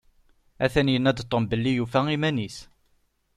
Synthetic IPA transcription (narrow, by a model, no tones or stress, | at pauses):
æθænjənæd̪t̪ˤːombəlːijufæimænis